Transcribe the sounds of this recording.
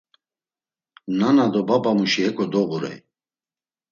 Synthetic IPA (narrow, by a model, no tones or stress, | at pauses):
nanad̪ɔbabamuʃiɦɛkʰʼɔd̪ɔɣuɾɛ̰